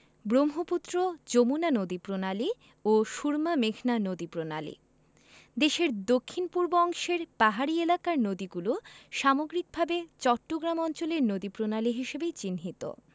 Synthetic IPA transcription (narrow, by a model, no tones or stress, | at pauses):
bɾomɦoput̪ːɾod͡ʑomunanod̪ipɾonali | oʃuɾmameɡʱnanod̪ipɾonalḭ | d̪eʃeɾd̪okʰːinpuɾboɔŋʃeɾpaɦaɾielakaɾnod̪iɡuloʃamoɡɾik̚bʱabet͡ɕɔʈːoɡɾamɔnt͡ɕoleɾnod̪ipɾonaliɦiʃebet͡ɕinɦit̪o̰